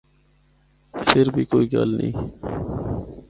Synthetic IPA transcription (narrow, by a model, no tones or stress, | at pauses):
sɪɾbʱiːkoːiːɡə̰lnḭ̃ː